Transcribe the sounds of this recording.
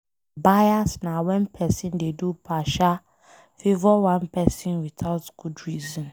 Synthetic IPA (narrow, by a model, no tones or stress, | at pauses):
bajasnawɛ̃npʰɛsĩndedupʰaʃa | fivɔwãnpɛsĩnwitʰaʊtɡ̥udɹizɔ̃n